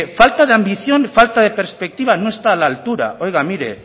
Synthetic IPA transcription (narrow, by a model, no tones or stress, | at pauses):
falt̪aðeambiθjo̞nfalt̪aðe̞peɾspe̞k̚t̪iβ̞ano̞est̪aːlaːlt̪uɾa̰ʔojɣamiɾḛ